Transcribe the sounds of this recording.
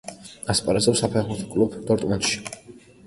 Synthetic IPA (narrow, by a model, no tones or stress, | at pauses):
aspʼaɾɛzɛpsapʰɛχmuɾt̪ʰɔ̥kʼlubd̪ɔɾt̪ʼmɛnd̪ʃi̥